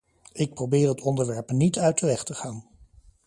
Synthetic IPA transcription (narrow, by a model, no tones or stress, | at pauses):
ɪk̚prowbɪːɹətɔndəɹʋɛɹpnitœɥtəʋɛχtəχaːn